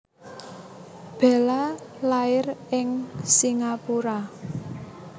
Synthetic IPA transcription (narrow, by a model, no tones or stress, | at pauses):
b̥ɛ̤la | laɪrɪŋsiŋapuɾa